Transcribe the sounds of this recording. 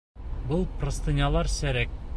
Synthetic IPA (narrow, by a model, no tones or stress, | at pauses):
bɤlˠprŏst̪ɤ̆nʲɑlˠɑɾsæɾæk̚